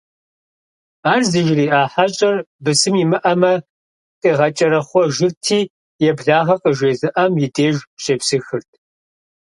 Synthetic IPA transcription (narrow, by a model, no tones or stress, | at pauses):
aːrzɨʒriːaːħaɕʼɐrbɨsɨmimɨʔɐmɐ | tʼeːʁɐt͡ʃʼɐɾɐχʷɔʒɪrtʰiː | jɛbɮaːʁɐqʼəʒeːzɨʔɐmjɪdeːʒɕʼeːpsɨxɨrtʰ